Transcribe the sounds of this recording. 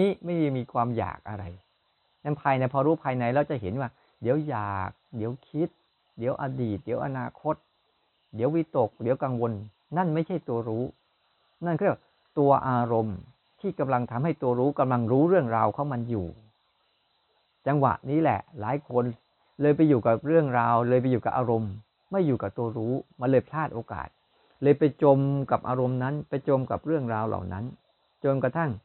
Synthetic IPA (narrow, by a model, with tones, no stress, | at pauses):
niː˦˥ma˥˩jmiː˧kʰwaː˧mja̰ː˨˩k̚ʔa̰˧ɾa˧j | nɛ˦˥˩pʰaː˧jna˧jpʰɔː˧ɾuː˦˥pʰaː˧jna˧jɾa˧˩wt͡ɕa˨˩ɦe˩˦nwaː˥˩ | di˩˦əwjaː˨˩k̚di˩˦əwkʰi˦˥t̪̚ | di˩˦əwʔaː˧diː˨˩t̪̚d̪i˩˦əwʔa̰˧naː˧kʰo˦˥t̪̚ | di˩˦əwi˦˥t̪o˨˩k̚di˨˩˦wka˧ŋwo˧nː | a˥˩nma˥˩jt͡ɕʰa˥˩jt̪u˧ɐɾuː˦˥ | na˥˩nkʰːa˩ | t̪u˧ɐʔaː˧ɾo˧m | t̪ʰiː˥˩ka˧mla˧ŋt̪ʰa˧mha˥˩jt̪u˧ɐɾuː˦˥ka˧mla˧ŋɾuː˦˥ɾɯ˥˩əŋɾaː˧wkʰaː˨˩˦ŋma˧njuː˨˩ | t͡ɕa˧ŋwa̰˨˩ʔniː˦˥lɛ̰˨˩ʔlaː˨˩˦jkʰo˧n | lɤː˧jp̬a˧juː˨˩kaː˨˩p̚ɾɯ˥˩əŋɾaː˧wlɤː˧jp̬a˧jːuː˨˩ka̰ː˨˩ʔaː˧ɾo˧mː | a˥˩jːuː˨˩kaː˨˩t̪u˧ɐɾuː˦˥ma˧lɤː˧jpʰtʰaː˥˩t̪̚ʔoː˧ka̰ː˨˩t̪̚ | lɤː˧jpa˧jt͡ɕo˧mka˨˩p̚ʔaː˧ɾo˧mna˦˥npa˧jt͡ɕo˧mka̰˨˩p̚ɾɯ˥˩əŋɾaː˧wla̰˨˩wna˦˥n | t͡ɕo˧nkɾa˧t̪ʰa˥˩ŋ